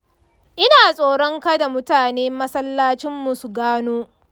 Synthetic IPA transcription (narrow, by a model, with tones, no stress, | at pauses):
ʔɪ˦naː˨sʼoː˦ɽɔ˦ŋka˦da˨mʊ˦taː˨neː˦mɐ˦sɐ˦lːaː˦t͡ʃɪ˦mːu˨su˨ɡaː˦noː˦